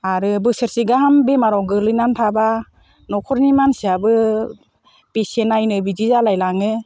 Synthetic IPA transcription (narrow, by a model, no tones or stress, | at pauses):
aɾɯbɯsɯɾsiɡaɦambemaɾɔɡɯlɯnantʰaba | nɔkʰɔɾnimansiabɯ | pesenajnɯbizizalajlaŋɯ